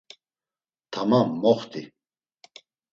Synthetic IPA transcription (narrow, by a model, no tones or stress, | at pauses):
t̪ʰamamːɔχt̪ʰʼi